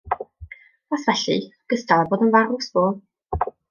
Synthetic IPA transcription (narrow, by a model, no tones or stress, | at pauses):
asvɛɬɨ̰ɡ̥əstalˠɛboːdənvaɾʊsb̥oːlˠ